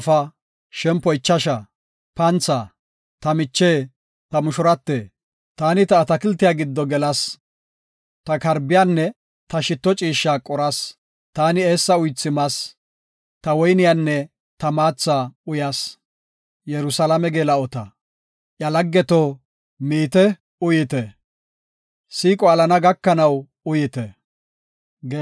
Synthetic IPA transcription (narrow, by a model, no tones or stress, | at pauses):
fɐ | ʃɛmpːɔjɪt͡ʃːɐʃɐ | pɐnt͡sːa | t̪ɐmɪt͡ʃːeː | t̪ɐmʊʃʊɾɐt̪ːeː | t̪aːnɪt̪ɐːt̪ɐkɪlt̪ːɪjaɡɪd̪ːɔɡɛlɐs | t̪ɐkɐɾbɪjaːnːɛ | t̪ɐʃɪt̪ːɔt͡ʃʼiːʃːaːkʼɔɾɐs | t̪aːnɪe̞ːsːɐʊjt͡sːɪmɐs | t̪ɐwɔjnɪjaːnːɛ | t̪ɐmaːt͡sːaːʊjɐs | jɛɾʊsɐlɐmɛɡeːlɐɔt̪ɐ | ʔjɐlɐɡːɛt̪o | miːt̪ɛ | ʊjɪt̪ɛ | siːkʼɔɐlɐnɐɡɐkːɐnɐw | ʊjɪt̪ɛ | ɡ